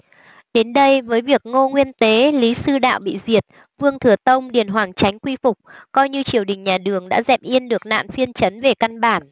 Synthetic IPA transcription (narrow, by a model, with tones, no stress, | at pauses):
ɗe˨˦nɗə˧jvəː˨˦jvi˨˩ək̚ŋo˧ŋwi˧ənt̪e˨˦li˨˦sɨ˧ɗa̰ː˧˨wɓḭ˧˨zi˨˩ət̚ | vɨ˧əŋt̪ʰɨ˧˩ət̪ə˧wŋ͡mɗi˨˩ənɦwaː˨˩ŋt͡ɕa˨˦jŋ̟kwi˧fʊ˨˩k͡p̚kɔ˧jɲɨ˧t͡ɕi˨˧˩əwɗï˨˩ŋ̟ɲaː˨˩ɗɨ˨˩əŋɗa̰ː˧˥zɛ˨˩p̚ʔi˧ənɗɨ˨˩ək̚na̰ː˧˨nfi˧ənt͡ɕə˨˦nve˨˩ka˧nɓaː˧˩n